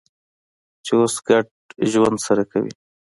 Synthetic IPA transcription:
t͡ʃeosɡaʈ̚ | ʒwand̪saɾakawḭ

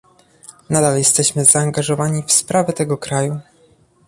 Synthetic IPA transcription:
nad̪aljɛst̪ɛɕmɘzaːŋɡaʐɔvaɲifspɾavɛt̪ɛɡɔkɾaju

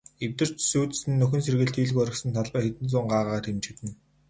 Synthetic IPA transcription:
ewt̪ɘ̆r̥t͡ɕsuːt̪̆sɘ̆nːɵxɵ̆nserɣɘ̆ɮt̪ʰiːɮɣuɔɾə̆ksə̆nt̪ʰaɮpæːxet̪ɘ̆nt͡sʊːɴɢaːʁaaːt̪ʰemt͡ɕɪ̆t̪ɘ̆n

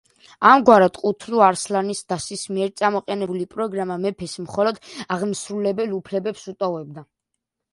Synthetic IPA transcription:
amɡwaɾad̪qʼut̪ʰluaɾslanisd̪̥asismiɛɾt̪sʼamɔqʼɛnɛbulipʼɾɔɡɾamamɛpʰɛsmχɔlɔd̪aʁmsɾulɛbɛlˠupʰlɛbɛpsut̪ʼɔvɛb̚d̪a

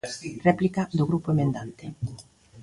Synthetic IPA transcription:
rɛplikaðʊɣɾupoemẽnd̪ant̪e

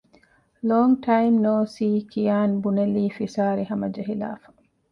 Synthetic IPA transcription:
loːŋʈʰɐjmnoːsiːkijaːnbuneliːfisaːɾiɦɐmɐd͡ʒɐɦila̰ːfɐ̥

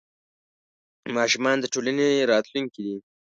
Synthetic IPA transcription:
mɑʃʊmɑnd̪əʈolaneɾɑt̪luŋkid̪i

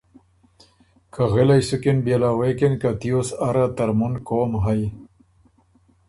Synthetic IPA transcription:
kʰaɣelajsukenbjelaːwekenkat̪ijosaɾat̪ɐɾmunkoːmɦaj

